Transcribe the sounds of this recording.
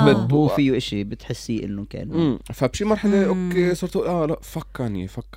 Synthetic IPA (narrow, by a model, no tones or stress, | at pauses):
bɪbufiːʔɪʃibɪt̪ħɪsːiːʔɪ̰nːʊnka̰ːnmːfabʃiːmɑɾˤħaleʔokːesˤɑːɾt̪ʔuːlʔalaʔfakːɑnḭfakː